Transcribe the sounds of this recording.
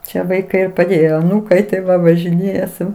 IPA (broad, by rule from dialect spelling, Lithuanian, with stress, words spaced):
ˈt͡ʃʲɛ ʋɐɪˈkɐɪ ɪ pɐˈdʲeːjoː ɐˈnuːkɐɪ tɐɪ ˈʋɐ ʋɐʒʲɪˈnʲeːjɛ sʊ